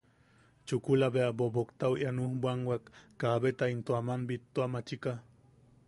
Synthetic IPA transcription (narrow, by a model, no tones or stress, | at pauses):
t͡ʃukulabeabobokt̪auwʔjanuhbʷaŋɡwakːaβet̪aint̪oamanbit̪ːoamat͡ʃika